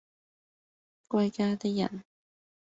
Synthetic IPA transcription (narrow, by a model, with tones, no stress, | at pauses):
kʷɐ˧jkaː˧t̪ɪ˥k̚jɐ̰˨˩n